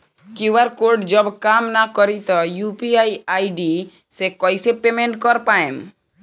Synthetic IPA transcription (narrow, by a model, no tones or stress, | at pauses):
kiwaɾkoɾɖd͡ʒɔbkamnakɔɾit̪ɔjupiajajɖi | sekɔjsepemeɳʈkɔɾpaẽm